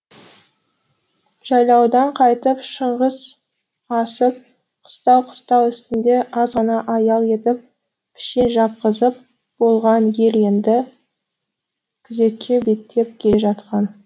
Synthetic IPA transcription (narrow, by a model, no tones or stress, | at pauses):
ʒ̥ɑjlˠɑwd̪ɑɴqʰɑjt̪əpʃəɴʁəz̥ | ɑsəp̚ | qʰə̥st̪ɑwqʰə̥st̪ɑwʏst̪ɪnd̪e̞ʔɑzʁɑnɑʔɑjɑlˠe̞t̪ɪp̚ | pʲʰɪ̥ʃe̞nʒɑp̚qəzəp̚ | b̥o̞lˠʁɑnje̞lje̞nd̪ɪ | kʲʰɪze̞kʲʰːe̞be̞t̪ʰːe̞p̚kʲʰeʒɑt̪̚qɑn